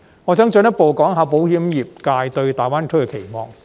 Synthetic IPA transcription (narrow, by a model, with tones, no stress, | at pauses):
ŋɔː˨˧t͡sɐ˥ŋt͡sɵ˧njɐ˥t̚po˨wkɔː˨˥ŋɦaː˨˧wpo˨˥whiː˨˥mjiː˨˩p̚kaː˧jt̪ɵ˧ɥt̪aː˨˩jwaː˥nkʰɵ˥kɛ˧kʰe˨˩jmɔː˧ŋ